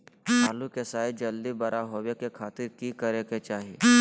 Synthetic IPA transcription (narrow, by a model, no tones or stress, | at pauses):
aːlukesaːid͡ʒɐld̪ibɐɾʔaɦoːʋekekʰaːt̪ɪɾkikəɾeket͡ʃaːɦi